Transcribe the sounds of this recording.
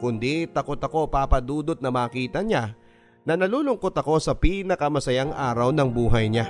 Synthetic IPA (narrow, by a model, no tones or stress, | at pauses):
kʊnd̪it̪ɐkot̪ɐko̞paːpɐd̪uːd̪ot̪̚nɐmaːkiːt̪ɐɲa | nɐnɐluːlʊŋkot̪ɐko̞sɐpiːnɐkɐmɐsɐjaŋʔaːɾɐwnɐŋbuːɦɐjɲa